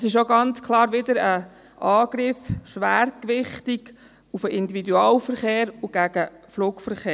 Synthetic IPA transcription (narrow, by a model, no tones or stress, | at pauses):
sɪʃoɡɑnt͡skʰlɑːɾʋɪd̪əɾə | ʔɑːɡ̥ɾɪfʃʋæːɾkʋɪχtiɡ | ufəʔɪnd̪ividuɑːlfəɾχeːɾuɡ̥æɡ̥əfluːkfəɾχeː